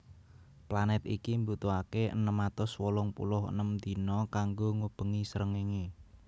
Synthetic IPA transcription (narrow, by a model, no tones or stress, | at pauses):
planɛt̪ḭkimbut̪uakeʔə̰nəmat̪ʊswɔlɔŋpṵlʊɦə̰nəmd̪i̤nɔkaŋɡoŋub̥ə̤ŋisəɾəŋeŋe